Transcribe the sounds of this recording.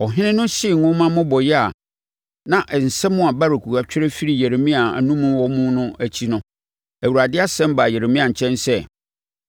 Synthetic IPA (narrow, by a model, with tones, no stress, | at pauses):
ɔ˨ɦɪ̃˦nɪ̃˦nʊ̃˦sɪ˦˨ŋʊ̃˦mã˦mʊ̃˦bɔ˨jɛ˦a˨ | nã˨ʔɛ˨n̩˨sɛ˦mʊ̃˦a˨ba˦ɾe˨kʰu˨wa˨t͡ɕᶣʰɪ˦ɾɛ˦fi˦ɾi˨je˨ɾe˨mĩ˦a˨a̰˨nũ˦mũ˦wɔ˦mũ˦nʊ̃˦æ˨t͡ɕʰi˦nʊ̃˦ | æ˨wu˨ɾa˨dɪ˦a˦sɛ̃˦m˦ba˨jɛ˨ɾe˨mĩ˦ã˨ɲ̩˨t͡ɕʰɛ̃˦nsɛ˦